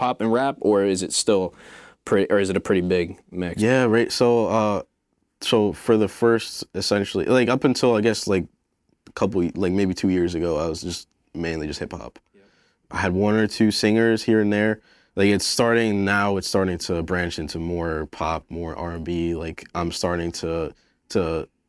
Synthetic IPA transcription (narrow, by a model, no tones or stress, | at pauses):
pʰɑpɨ̃nɹæpə˞ɪzɨtstɪlˠpʰɹ̥ɪiʔə˞ɨzɨɾɨpʰɹ̥ɪɾibɪɡ̚mɪkjæɹaɪtsoʊʌ | soʊfə˞ðəfɜ˞stɨsɛ̃nʃl̩ˠḭlaɪkʌpɨ̃n̩tʰɪlˠaɪɡɛslaɪk̚ | əkʰʌpl̩ˠlaɪk̚meɪbitʰʉjɪɹzɨɡoʊaɪwʌzd͡ʒʌst̚ | mẽɪ̃nlid͡ʒʌst̚hɪpʌ̰p | ʔaɪɨd̚wʌ̃nə˞tʰʉsɪ̃ŋə˞z̥hiɹɨ̃nðə˞ | laɪkɨtstɑɹɾɪ̃ŋnaʊɨtstɑɹɾɪ̃ŋtʰəbɹæ̃nt͡ʃɪ̃ntʰʉmɔɹpʰɑ̰p̚mɔɹʔɑ̰ɹɨ̃nbilaɪkãɪ̃mstɑɹɾɪ̃ŋtʰə | tʰə